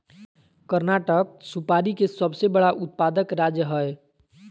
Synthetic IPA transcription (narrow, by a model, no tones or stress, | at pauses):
kəɾnaːʈək̚supaːɾikesəbsebəɽaʔʊt̪̚paːd̪əkɾaːd͡ʒjəɦəe